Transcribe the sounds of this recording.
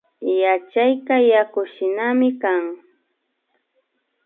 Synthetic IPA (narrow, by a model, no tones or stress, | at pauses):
jat͡ʃajkajakʊʃɪnamɪkaŋ